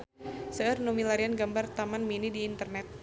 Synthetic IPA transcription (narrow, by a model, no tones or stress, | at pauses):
səərnumilaɾianɡambart̪amanminidiːnt̪ərnɛt̪̚